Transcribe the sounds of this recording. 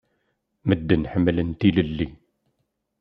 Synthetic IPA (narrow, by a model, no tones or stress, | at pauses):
məd̪ːənħəmːələnt̪iləlːi